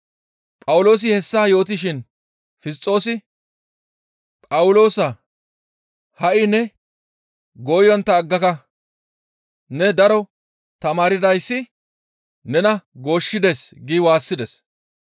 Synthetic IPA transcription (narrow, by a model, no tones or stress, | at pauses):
pʼɐwʊlo̞ːs̬ɪhɛsːaːjo̞ːt̪̬ɪʃɪn | fɪs̬t͡sʼːo̞ːsɪ | pʼɐwʊlo̞ːsɐ | hɐʔɪnɛ | ɡoːjɔnt̪ːɐːɡːɐkɐ | nɛd̪ɐɾɔ | t̪ɐmaːɾɪd̪ɐjsːɪ | nɛnɐɡo̞ːʃːɪd̪eːsɡɪwaːsːɪd̪ɛs